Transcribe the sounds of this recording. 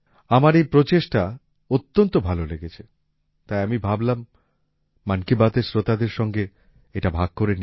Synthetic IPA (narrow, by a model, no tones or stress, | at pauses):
amaɾejpɾot͡ɕeʃʈa | ot̪ːont̪obʱaloleɡet͡ɕʰe | t̪ajamibʱablamː | ankibat̪eɾsɾot̪ad̪eɾʃɔŋɡe | eʈabʱaɡ̥̚koɾeni